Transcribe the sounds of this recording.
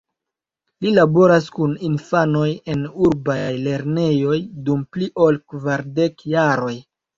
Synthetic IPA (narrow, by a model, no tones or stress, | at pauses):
lilabo̞ɾaskuninfano̞je̞nuɾbajle̞ɾne̞jo̞jdumpliʔo̞lkvaɾde̞kjaɾo̞j